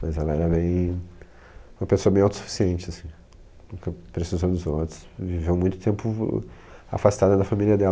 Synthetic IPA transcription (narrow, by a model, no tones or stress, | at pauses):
mɐzɛlɐɛɾɐbẽj̃ | ũmɐpesoɐbẽj̃awt̪ʊ̥su̥fi̥siẽnt͡ʃɪasĩ̥ | nũkɐpɾesizowd̪ʊzot̪ɾʊ̥svivewmũj̃t̪ʊt̪ẽmpʊ | a̰fast̪ad̪ɐd̪ɐfamiliɐd̪ɛ